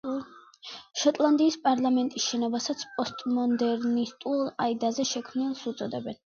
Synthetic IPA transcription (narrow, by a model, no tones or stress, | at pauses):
ʃɔt̪ʼlˠand̪iːspʼaɾlˠamɛnt̪ʼisʃɛnɔbasat̪sʰpʼɔst̪ʼmɔnd̪ɛɾnist̪ʼulˠaid̪azɛʃɛkʰmnilˠsut̪sʼɔd̪ɛbɛn